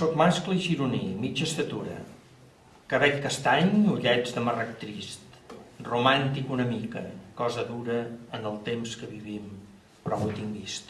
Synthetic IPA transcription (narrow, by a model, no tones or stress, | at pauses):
sot̪̚maskləiʒiɾunimid͡ʒəst̪ət̪uɾə̰ | kəβɛʎkəst̪aɲuʎɛd͡zd̪əmərək̚t̪ɾist̪rumant̪ikunəmikə̰kɔzəðuɾəːnəlˠt̪emskəβiβim | pɾɔβut̪iŋɡist̪